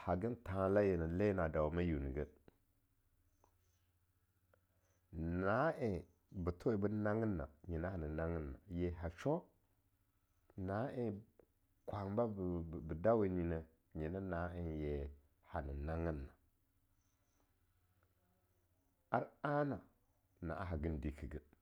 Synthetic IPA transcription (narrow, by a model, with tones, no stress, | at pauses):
ha˨ɡə˦ntã˨˦la˦je˨nə˨le˦na˨da˨wma˦ju˨n˨ɡə˦ | na˨˦e˨ | bə˨to˦e˨bə˦na˦ŋə˦nːa̰˨ɲi˨na˦a˨nə˨na˦ŋə˦nːa̰˨je˨ɦa˨t͡ʃo˦ | na˦ʔe˦ | kʷa˨ŋba˦˨bə˨da˦we˨ni˨nə˨ | ɲi˨nə˦na˨˦ə˨nje˨ | ha˨nə˨na˦ŋə˦nːa˨ | a˦ɾa˦na˨ | na̰˨ʔa˦ɦa˨ɡə˦ndi˨ki˨ɡə˦